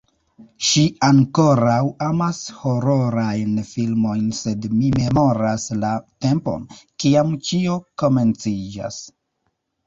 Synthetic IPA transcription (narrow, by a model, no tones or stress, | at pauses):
ʃiaŋko̞ɾawamasho̞ɾo̞ɾajnfilmo̞jnse̞dmime̞mo̞ɾaslate̞mpo̞̰nkiamt͡ʃio̞ko̞me̞nt͡sid͡ʒa̰s